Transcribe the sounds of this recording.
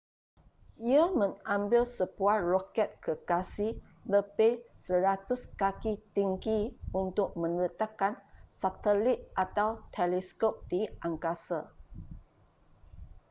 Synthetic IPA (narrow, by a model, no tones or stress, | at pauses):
iamə̃ŋãmbɪlsəbuarɔkɛt̪̚kəkasih | ləbɪhsəɾat̪uskakit̪iŋɡiunt̪ʊk̚mə̃nət̪akansat̪əlit̪̚ʔat̪awt̪ʰɛlɛskop̚diʔaŋkasa